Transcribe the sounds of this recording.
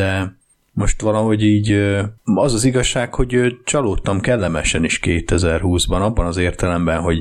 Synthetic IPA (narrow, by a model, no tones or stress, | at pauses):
d̪ɛ | mo̞ʃt̪ʋɒlɒɦo̞ɟiːɟ | ɒzɒziɡɒʃːaːkho̞ɟøt͡ʃɒloːt̪ːɒmkɛlːɛmɛʃɛniʃkeːt̪ɛzɛrɦuːzbɒnɒbːɒnɒzeːrt̪ɛlɛmbɛnɦo̞ɟ